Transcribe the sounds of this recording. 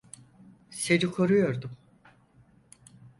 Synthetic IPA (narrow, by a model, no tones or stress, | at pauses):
se̞ɾikʰo̞ɾujo̞ɾd̪um